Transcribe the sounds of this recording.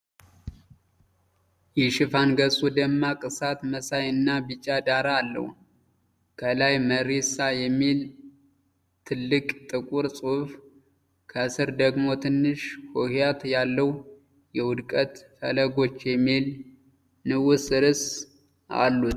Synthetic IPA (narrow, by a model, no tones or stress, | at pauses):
jɛʃɪfanɡəsʼud̪əmːakʼɨsat̪məsajɨnːabɨt͡ʃʼːad̪aɾaːlːə̰hu | kʰəlajməɾesajɛmːil | t̪ʰɨlːɨkʼt̪ʼɨkʼuɾsʼuf | kʰəsɨɾd̪əɡmo̞t̪ʰɨnːɨʃhohjat̪jalːəw | jɛwʊd̪kʼət̪fələɡo̞t͡ʃːjɛmːil | nɨwʊsɨɾɨs | a̰lːut̪